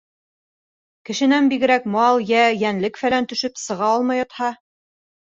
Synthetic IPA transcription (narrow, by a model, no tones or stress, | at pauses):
kɘ̆ʃɘ̆nænbiɡɘ̆ɾækmɑlˠjæjænlɘkfælænt̪ɵ̆ʃɵpsɤ̆ʁɑɒlˠmɑjɑt̪hɑ